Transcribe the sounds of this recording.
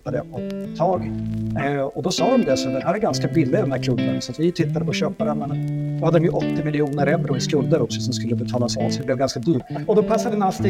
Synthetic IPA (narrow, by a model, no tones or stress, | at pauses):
ad̪ɛ̰ɔt̪ʰːɑːɡ | ɔd̪ɔsɑːd̪ɔmd̪ɛsɔd̪ɛhæɾæɾɡanskabɪlːɪad̪ɔmd̪æɾkʰlɵbːənasat̪vɪt̪ʰɪt̪ːad̪əpʰɔɕøːpad̪ɛmɛnd̪ɔhad̪ːd̪ɔmjɵʔɔt̪ːɪmɪlɪuːnəɾɛvɾʊɪskɵnd̪əɾɔksɔsɔmskɵlːəbɛt̪ʰɑːlasɑ̰ːsɔd̪ɛblɛvɡanskad̪ʉːɔd̪ɔpʰasːad̪ənast̪i